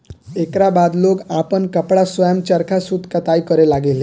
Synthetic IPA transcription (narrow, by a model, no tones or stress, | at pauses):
ekɾabad̪loɡapənkəpɽasʋəjəmt͡ɕəɾkʰasud̪ʱkat̪ajkəɾelaɡele